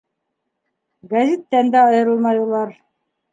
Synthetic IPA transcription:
ɡæzʲit̪ːænd̪æɑjɤ̆ɾɤlˠmɑjulˠɑɾ

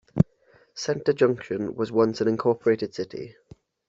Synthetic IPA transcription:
sɛ̃ntəd͡ʒʌ̃ŋkʃə̃nwɒzwʌ̃nsə̃nɪ̃nkʰɔˑpʰəɹeɪtɪd̥sɪtʰḭ

